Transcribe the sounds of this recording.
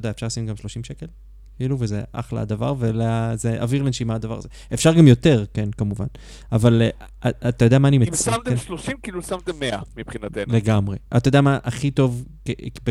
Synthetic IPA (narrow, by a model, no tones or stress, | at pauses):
odeaefʃaʁlsimɡamʃlo̞ʃimʃe̞ke̞l | kiːluvezeʔa̰χla̰a̰d̪avaʁveleazeʔa̰viʁlenʃimad̪ava̰ʁazeefʃaʁɡamjo̞te̞ʁkenkamuva̰n | aval | at̪ajod̪eamaːnimemsamt̪eʃloʃimkiːlusamt̪emːeamipχinat̪enleɡamʁe̞ʔat̪ajodamaʔaχito̞vkebe